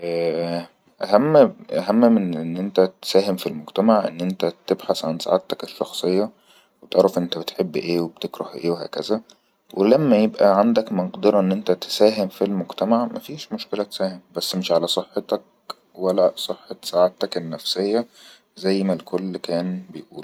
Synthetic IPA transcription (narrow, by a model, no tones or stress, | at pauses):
ʔæ | ʔæhæmːʔæɦæmːmenʔenːʔent̪æt̪sæːɦemfilmoɡt̪æmaʕʔḛnːʔent̪æt̪ebħasʕansa̰ʕat̪ːækeʃːɑxsˤejːɑ | wet̪eʕɾˤɑfʔent̪æbet̪ħebːʔeːweb̥t̪ekɾˤɑ̰hʔeːwehæ̰ːkæzæ | wʔelæmːæjebʔæʕand̪ækmɑnqd̪ɑɾˤɑʔenːʔent̪æt̪esæːɦemfilmoɡt̪æmaʕmæfiːʃmoʃkelæt̪e̥sæːhembæsːmeʃʕalæsˤeħːet̪ɑk̚ | wælæsˤeħːɑt̪saʕat̪ækenːæfsejːæ | zæjːmælkolːkæːnbejʔuːl